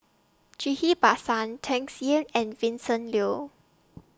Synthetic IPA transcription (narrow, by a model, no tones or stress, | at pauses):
d͡ʒihibasãntʰɛ̃ŋsiənɛ̃nvĩnsə̃nlio